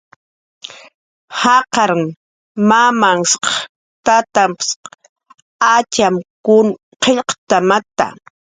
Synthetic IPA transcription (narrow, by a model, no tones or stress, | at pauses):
hɑqɑɾŋ | mamaŋsχ | t̪at̪amps | at͡ʃamkʊn | qeʎqt̪amat̪a̰